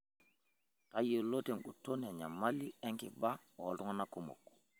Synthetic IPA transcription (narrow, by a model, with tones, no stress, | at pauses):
ka˦je˨lo˦te˨ŋɡu˨to˦ne˨ɲa˨ma˦li˦ɛ˦ŋki˨ba˦ | ɔ˨tu˦ŋa˦na˦kumo̰˨kːu̥